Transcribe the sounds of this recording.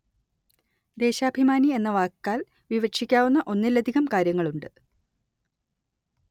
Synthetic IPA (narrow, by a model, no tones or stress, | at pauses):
d̪e̞ːɕaːbʱimaːnie̞nːɐʋaːkːaːl | ʋiʋɐʂikʲːaːʋunːɐʔo̞nːilːɐd̪ʱiɣɐmkaːɾjɐŋːɐɭuɳɖɨ